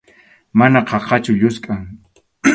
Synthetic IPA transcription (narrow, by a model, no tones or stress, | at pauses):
manaqɑqɑt͡ʃʊʎʊskʼaŋ